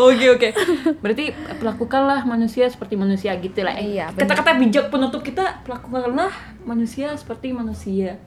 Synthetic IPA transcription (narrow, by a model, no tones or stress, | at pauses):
okeokebəɾart̪ipəlakukanlahmanusiasə̥pərt̪imanusiaɡit̪ula̰hkət̪akat̪abid͡ʒak̚pənut̪ʊp̚kit̪apəlakukanlah | manusiasə̥pərt̪imanusia